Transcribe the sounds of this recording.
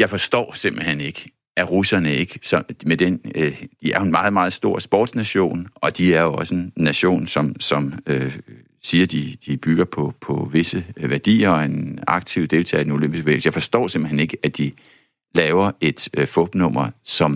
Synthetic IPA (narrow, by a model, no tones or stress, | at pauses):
jɑ̈ɪfɒ̽sd̥ɒ̰ːse̝m̰b̥l̩hen̰e̝ɡ̥ə | æʁusɐnəe̝ɡ̥əsɒd̥med̥end̥iæɐe̝nmɑ̈ːð̩ˠmɑ̈ːð̞̩ˠsd̥o̝ɐ̰sb̥ɒ̰ːd̥snæɕo̝̰ːnɒ̽d̥iæɐjo̝ɒ̽səennːæɕo̝̰ːnsɒ̽msɒ̽mø | siːɐd̥id̥ib̥yɡ̥ɐpʰɒpʰɒ̽ʋe̝səʋæɐd̥ḭːɐɒe̝nɑ̈ɡ̥t͡sʰiʊd̥e̝lt͡sʰɛ̰̥ːeno̝løm̰b̥isɡ̥ʋḛːlsəjɑɪfɒ̽sd̥ɒ̰ːse̝mb̥l̩hḛne̝ɡ̥əæd̥i | lɛːʊɐe̝d̥fɔ̽b̥nɔ̽m̰ɐsɒ̽m